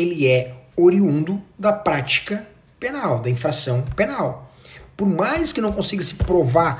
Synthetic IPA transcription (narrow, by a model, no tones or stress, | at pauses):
elɪɛoɾiũnd̪ʊd̪ɐpɾat͡ʃi̥kɐ | penawd̪ɐĩfɾasɐ̃w̃pẽnawpoɾmajskɪnɐ̃w̃kõsiɡɐsɪ̥pɾovaɾ